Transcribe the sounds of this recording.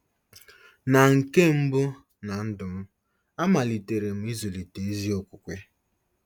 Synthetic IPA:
na˨ŋ̩˨ke˦m̩˦bʊ˦ | na˨n̩˦dʊ˨m̩˦ | a˦ma˨li˨te˨ɾe˨m̩˨˦i˦zu˨li˨te˨e˦zi˦o˦kʷu˨kʷe˦

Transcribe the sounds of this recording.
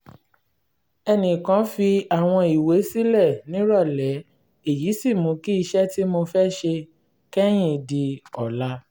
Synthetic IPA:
ɛ˧nĩ˨kã˨˦fi˧a˨w̃ɔ̃˧i˨we˨˦si˦lɛ˦˨nĩ˨˦ɾɔ˦˨lɛ˨˦ | e˨ji˨˦si˦˨mũ˨˧˦ki˦i˧ʃɛ˦ti˦mo˧fɛ˦ʃe˧ | kɛ˦j̃ĩ˦˨di˧ɔ˨la˦

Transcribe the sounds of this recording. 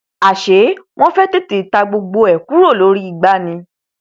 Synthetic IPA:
a˨ʃe˨˦w̃ɔ̃˦fɛ˦te˦˨te˨ta˧ɡ͡bo˧ɡ͡bo˧ɛ˨ku˦ɾo˦˨lo˨˦ɾi˦i˦˨ɡ͡ba˧˦nĩ˧

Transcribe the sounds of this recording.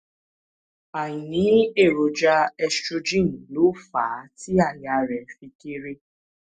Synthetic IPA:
a˨ɲi˨ni˨˦e˦˨ɾo˨d͡ʒa˦ɛ˦st͡ʃo˦d͡ʒi˦˨n̩˨lo˨˦faː˨˦ti˦a˨ɲ˨a˨ɾɛ˨fi˧ki˦ɾi˦

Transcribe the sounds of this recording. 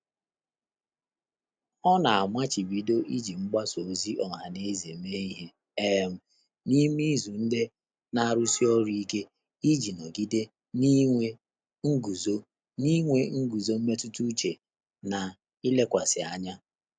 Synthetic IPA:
ɔ˦na˨a˨mʷa˦t͡ʃi˨bi˨do˦ʔi˦d͡ʒi˨ŋ͡m̩˦ɡ͡ba˦so˨zi˦ʔɔ˨ɦa˨ne˦ze˨me˦i˦ɦe˨ | e˦m̩˨ | ni˦mi˦zu˨n̩˦de˦ | na˦a˦˨ɾu˦si˦ɔ˦ɾi˦i˦ke˦ | i˦d͡ʒi˨nɔ˨ɡi˦de˦ | ni˦ŋʷe˦ | ŋ̩˦ɡu˨zo˦ | ni˦ŋʷe˦ŋ̩˦ɡu˨zo˦m̩˦me˦tu˦tu˦t͡ʃe˨ | na˨ | i˦le˦kʷa˨sɪ˨a˨ɲa˦

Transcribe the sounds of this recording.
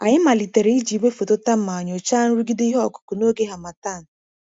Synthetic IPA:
a˨ɲɪ˦ma˨li˨te˨ɾe˨˦i˦d͡ʒi˨we˦fo˨tʊ˦ta˦m̩˦ma˨ɲ˨o˨t͡ʃa˦n̩˦ɾu˦ɡi˦di˦ɦɔ˨kʊ̥˨kʊ˨no˦ɡe˦ɦa˨ma˨ta˦˨n̩˨

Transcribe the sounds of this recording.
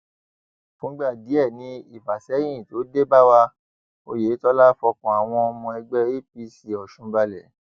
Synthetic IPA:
fũ˨˦ɡ͡ba˦˨di˨˦ɛ˦˨nĩ˧˦i˦˨fa˨sɛ̃˨˦ĩ˦˨to˨˦de˦ba˦wa˧ | o˧je˨˦tɔ˧˦la˦fɔ˧kɔ̃˨a˨w̃ɔ̃˧ɔ˧mɔ̃˧ɛ˧ɡ͡bɛ˦ɾi˦pi˧˦si˨ɔ˨ʃũ˧ba˧lɛ˨˦

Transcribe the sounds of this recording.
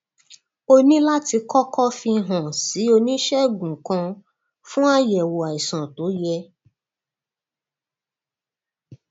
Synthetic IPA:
o˧nĩ˦la˦ti˧kɔ˦kʰɔ˦fi˧˦ɦã˨si˨˦o˧nĩ˦ʃɛ˦˨ɡũ˨kã˧ | fũ˦a˦jɛ˨wo˨a˨i˨sã˨to˨˦jɛ˧

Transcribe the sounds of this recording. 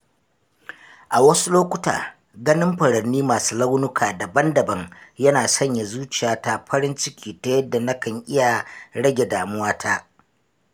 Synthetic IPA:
ʔa˨wɐ˦su˦loː˦kʷʊ˦ta̰ː˨ | ɡɐ˦nɪ˦mɸɐ˨ɽɐ˨rnːiː˦maː˨suː˦lɐa˦wnʊ˦kʰaː˨dɐ˨bɐ˦ndɐ˨bɐ˦ŋjɐ˦naː˨sɐ˦ɲja˨zuː˦t͡ʃɪ˨jaː˨ta˦ɸʰɐ˦ɾɪ˦nt͡ʃɪ˦kʲʰiː˨ta˦jɐ˦dːa˨na˦kɐ˨ŋʔɪ˦ja˨ɽɐ˦ɡʲe˨daː˨mʊ˦waː˦tʰaː˦

